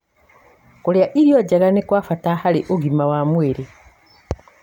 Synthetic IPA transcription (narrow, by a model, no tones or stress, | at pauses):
koljaʔiɾjoɟaɣanekwaːfatahaleʔoɡimawamweɾe